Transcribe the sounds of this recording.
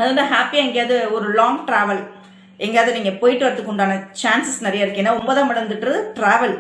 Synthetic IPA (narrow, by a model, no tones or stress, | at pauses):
ɐðɯnɖaɦaːpijaːŋɡejaːðɯɔɾɯlaːŋɡʈɾaːʋɐl | ɛŋɡejaːðɯniːŋɡɐpɔjɪʈːɯʋɐɾɐt̪ːɯkːʊɳɖaːnɐt͡ʃaːnsɪsnɪɾɐjaːɪɾɯkːeːnːaːɔmboːðãːmɐɽɐnd̪ɯʈːrɐɯʈɾaːʋɐl